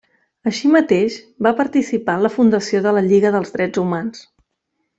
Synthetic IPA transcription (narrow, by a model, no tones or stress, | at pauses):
əʃimət̪eʃ | bapəɾt̪isipaləfund̪əsioðələʎiɣəðəlˠzðɾɛd͡zumans